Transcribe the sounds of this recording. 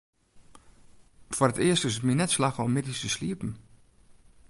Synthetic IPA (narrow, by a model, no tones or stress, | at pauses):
forətɪəstɪsətminɛtslaxɔmɪdistəsliəpn̩